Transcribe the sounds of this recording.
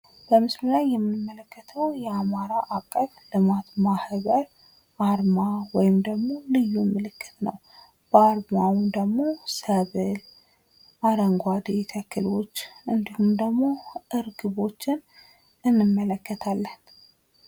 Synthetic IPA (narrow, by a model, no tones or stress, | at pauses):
b̥əmɨslulajːɛmːɨmːələkːət̪ʰəwjɛamaɾaʔakʼːəβlɨmat̪mahβəɾ | ʔaɾmawɔjɪmd̪əɡmo̞lɨjːumɨlɨkːɨ̥t̪nəw | b̥aɾmawmd̪əɡmo̞səβɨl | ʔaɾəŋɡʷad̪et̪ʰəkʰːɨlo̞t͡ʃːʔɨnd̪ihumd̪əɡmo̞ʔɨɾɡɨβo̞t͡ʃːɪn | ɨnːɨmːələkːət̪ʰalːən